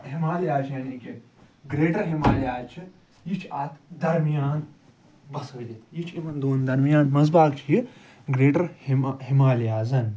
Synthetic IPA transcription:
ɦimaːljaːd͡ʒjanikʲe | ɡɾeːʈɐɾɦimaːljaːzt͡ʃʰi | jit͡ʃʰaːt̪ʰd̪ɐɾmijaːn | bɐsɐʋlʲit̪jit͡ʃʰimɐnd̪oːnd̪ɐɾmijaːnmɐzbaːkt͡ʃʰi | ɡɾeːʈɐɾhɦimaːljaːzɐn

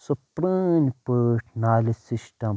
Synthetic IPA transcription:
supɾinpəʈʰnaːlisisʈɐm

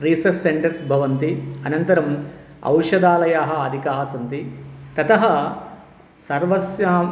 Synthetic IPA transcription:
ɾiːsɐɾsseɳʈɐɾsbʱɐʋɐnt̪iɐnɐnt̪ɐɾɐm | ɐ̰wʂɐd̪aːlɐjaːɦɐ̆ɐd̪ʱikaːsɐnt̪it̪ɐt̪ɐɦɐ | sɐɾʋɐsjaː

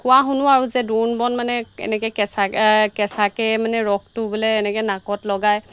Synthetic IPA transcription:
kʊwaɦʊnʊaɹuzɛdunbɔnmanɛɛ̰nɛkɛkɛsakɛsakɛmanɛɹɔk̚ʰtʊbulɛːnɛkɛnakɔtlɔɡaj

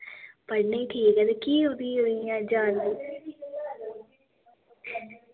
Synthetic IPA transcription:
pəɽneiːʈʰiːkɛːt̪eːkiːod̪iːoiãːd͡ʒaːnd̪iː

